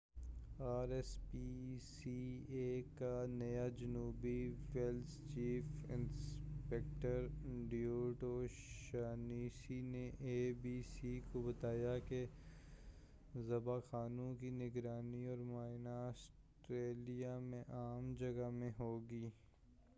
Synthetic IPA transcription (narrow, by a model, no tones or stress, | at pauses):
aːɾɛspisieːkanɐjad͡ʒɐnuːbiwɛlst͡ʃiːfɪ̰̃nspɛːk̚ʈəɾɖijoːʈoʃaːniːsineʔeːbiːsikobɐt̪aːjake | zɐbaxaːnũkinɪɡɾaːniɔːɾmaːɪnaːs | ʈɾeːlijamẽʔaːmd͡ʒɐɡəmẽɦoːɡiː